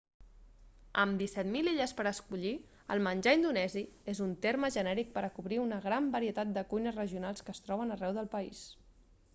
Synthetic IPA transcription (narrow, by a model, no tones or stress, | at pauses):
əmd̪isɛt̪miliʎəspəɾəskuʎi | ə̰lˠmənʲd͡ʒaind̪unɛziezunt̪erməʒənɛɾik̚pəɾəkuβɾiunəɣɾambəɾiət̪at̪̚d̪əkujnəzrəʒiunalˠskəːst̪ɾɔβ̞ənərɛwðəlˠpəis